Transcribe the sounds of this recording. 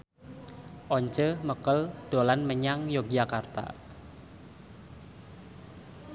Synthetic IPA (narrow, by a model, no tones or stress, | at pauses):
ʔɔɲt͡ʃəməkəlɖ̥olanməɲaŋjoɡd͡ʒakart̪a̰